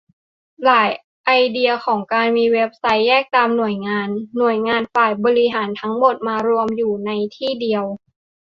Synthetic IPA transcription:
laː˩˦j | ʔa˧jdi˧ɐxʰɔː˩˦ŋkaː˧nmiː˧we˦˥p̚sa˦˥jːɛː˥˩k̚t̪aː˧mnu˨˩əjŋaː˧nːu˨˩əjŋaː˧nfaː˨˩jbɔː˧ɾi˦˥ɦaː˩˦nt̪ʰa˦˥ŋmo˨˩t̪̚maː˧ɾu˧əmjuː˨˩na˧jt̪ʰiː˥˩di˧əw

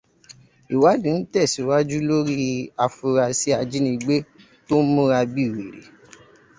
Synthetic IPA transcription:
i˨wa˦dũ˨n̩˦tɛ˦˨si˨˦wa˦d͡ʒu˦lo˦ɾi˦a˧fu˧ɾa˧si˦a˧d͡ʒi˦nĩ˧ɡ͡be˦ | to˦n̩˦mũ˦ɾa˧bi˦˨we˨ɾḛ˨

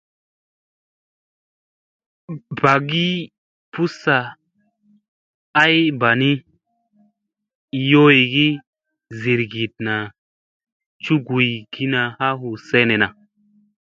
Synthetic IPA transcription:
ba˨ɡi˦ | pu˦sa˨ | a˦jba˨ni˦˨˦ | jo˦i˨ɡi˦ | zi˨ɾɡi˨t̚na˨ | t͡ʃu˦ɡu˨ji˨ɡi˦na˨ha˦hu˨se˦ne˨na˨

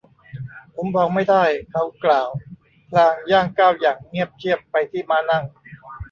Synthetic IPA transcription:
pʰo˩˦mbɔː˧ŋma˥˩jd̪a˥˩jkʰa˦˥˩wklaː˨˩w | pʰlaː˧ŋjaː˥˩ŋkaː˥˩wjaː˨˩ŋŋi˥˩əp̚k̪ʰi˥˩əpːa˧jt̪ʰiː˥˩maː˦˧˥na˥˩ŋ

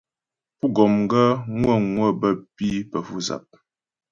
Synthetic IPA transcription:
pu˦ɡɔ˨mŋ˦ɡə˦ŋwə˦˨ŋwə˦˨bə˦˨pi˦pə˨fu˦za̰˨p̚

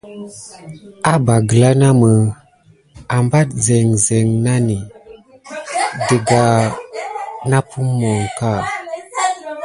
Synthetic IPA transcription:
a˦ba˨ɡə˨la˦na˦mə˨ | a˨mba˦t̚ze˨ŋze˨ŋna˦ni˨ | de˨ɡa˨ | na˦pu˦mːo˨ŋka˦˨

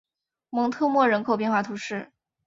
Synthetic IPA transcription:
mɤ˧˥ŋt̪ʰɤ˥˧mwɔ˥˩ɻə˧˥nkʰo˨˩ʊpjɛ˥˧nxwa˥˩t̪ʰu˧˥ʂɻ̩˥˩

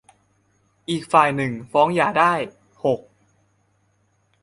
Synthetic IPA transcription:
ʔiː˨˩k̚faː˨˩jnɯ˨˩ŋfɔː˦˥ŋjaː˨˩daː˥˩j | ho˨˩k̚

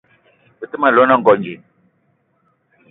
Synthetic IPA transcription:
ə˨ti˦ma˨lɔ˦na˦˨ŋ̩˨ɡɔ˨ɲd͡ʒi˨

